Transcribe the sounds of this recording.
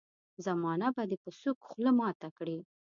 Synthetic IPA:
zamɑnabad̪epəsukxləmɑt̪akɽi

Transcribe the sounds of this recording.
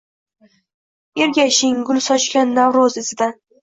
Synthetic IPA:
e̞ɾɡʲaʃɪŋɡʊlsɒt͡ʃkʲanːavɾɒzɪzɪd̪a

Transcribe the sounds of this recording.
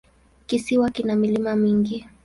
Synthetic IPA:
kisiwakinamilimamiŋɡi

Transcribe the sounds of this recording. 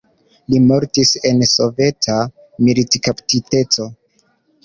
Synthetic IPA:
limo̞ɾtise̞nso̞ve̞tʰa | militkaptite̞t͡so̞

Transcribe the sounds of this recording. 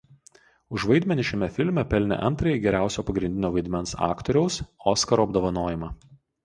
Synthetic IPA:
ʊʃʋɐɪd̪ʲmʲɛnʲɪʃʲɛmʲɛfʲɪlʲmʲɛpʲɛlʲnʲɛ̰ʔɐnt̪ɾɐjɪɡʲɛɾʲæˑʊsʲoːpɐɡɾʲɪnd̪ʲɪnʲoːʋɐɪd̪ʲmʲɛnsɑ̰ːkt̪ɔɾʲɛʊsoːskɐɾoːɐbd̪oːʋɐnoːjɪmɑː

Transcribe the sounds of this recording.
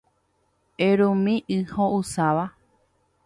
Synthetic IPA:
eɾũmĩʔɨhoʔusaʋa

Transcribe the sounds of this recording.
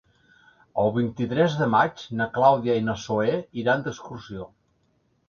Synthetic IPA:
əlˠβint̪it̪ɾɛzðəmad͡ʒnəklawðiəinəsoeiɾand̪əkskursio

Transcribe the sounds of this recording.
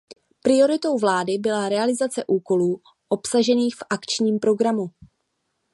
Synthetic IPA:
pɾɪo̞ɾɪt̪o̞wvlaːdɪbɪlaɾɛalɪzat͡sɛʔuːko̞luː | ʔo̞psaʒɛniːxfʔakt͡ʃɲiːmpɾo̞ɡɾamu

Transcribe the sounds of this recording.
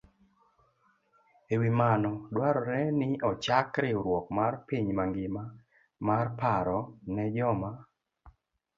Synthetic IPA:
ewimanɔdwaɾɔɾɛnɪɔt͡ʃakɾɪɾwɔk̚marpiɲmaŋɡɪma | marpaɾɔnɛd͡ʒɔma

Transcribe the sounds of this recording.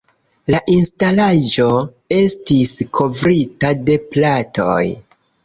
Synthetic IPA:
laʔinstalaʒo̞ | e̞stiskʰo̞vɾitade̞plato̰j

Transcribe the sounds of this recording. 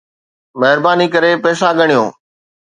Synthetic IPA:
mɛɦɪɾbaːnikəɾeːpɛːsãɠəɳijõː

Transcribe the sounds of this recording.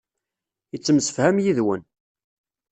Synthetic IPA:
jət͡sːəmsə̥fhæmjiðwən

